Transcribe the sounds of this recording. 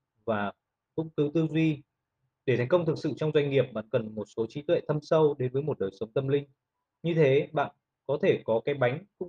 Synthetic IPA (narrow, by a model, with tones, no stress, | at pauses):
vaː˨˩ | kʊ̰˧˥ŋ͡mkɨ˨˦t̪ɨ˧zwi˧ | ɗe˧˩a˨˦jkə˧wŋ͡mt̪ʰɨ˨˩k̚sɨ̰˧˨t͡ɕɔ˧wŋ͡mzwa˧jŋ̟ŋi˨˩əp̚ɓa̰ː˧˥nkə˨˩nmo˨˩t̚so˨˦t͡ɕi˨˦t̪wɛ̰˧˨t̪ʰə˧msə˧wɗe˨˦nvəː˨˦jmo˨˩t̚ɗəː˨˩jsə˨˦wŋ͡mt̪ə˧mlï˧ŋ̟ | ɲɨ˧t̪ʰe˨˦ɓa̰ː˧˨n | kɔ˨˦t̪ʰe˧˩kɔ˨˦kaː˨˦jɓa˨˦jŋ̟kʊ̰˧˥ŋ͡m